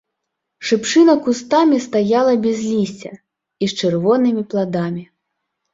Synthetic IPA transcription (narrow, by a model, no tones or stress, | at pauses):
ʂɨpt͡ʂɨnɐkust̪amʲist̪ajalˠɐbʲɛzʲlʲisʲt͡sʲɐ | ist͡ʂɨrvɔnɨmʲiplˠad̪amʲi